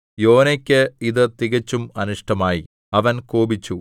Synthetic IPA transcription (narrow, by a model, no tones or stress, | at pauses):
jo̞ːnekʲːɨiðɨt̪iɣɐt͡ɕːumɐnuʂʈʰɐmaːjḭ | ɐʋɐnkoːbit͡ɕːu